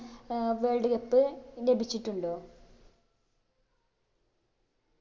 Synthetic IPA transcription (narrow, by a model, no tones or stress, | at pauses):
ʋeːɻɖiɣɐpːɨnebit͡ɕːiʈːuɳɖoː